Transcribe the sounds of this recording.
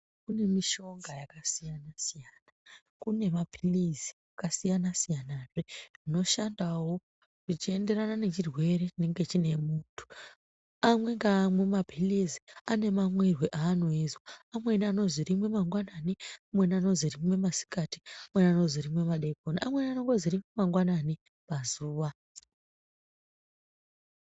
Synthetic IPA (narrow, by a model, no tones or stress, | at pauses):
kune̞miʃo̞ŋɡajakasijanasijaːna | kune̞mabʱilizi̥akasijanasijanaʐeʐino̞ʃandawo̞ | ʐit͡ʃie̞nde̞ranane̞t͡ʃirwe̞ɾet͡ʃine̞ŋɡe̞t͡ʃine̞muːntʰu̥ | amwe̞ŋɡaːmwe̞mabʱiliziane̞mamwe̞rweʔaːno̞izwaamwe̞niano̞zirimwe̞maŋɡwananiamwe̞niano̞zirimwe̞masi̥kati̥amweniano̞ziɾimwe̞maɗekoniʔamwe̞niano̞ŋɡo̞zirimwe̞maŋɡwanani | pazuːʋa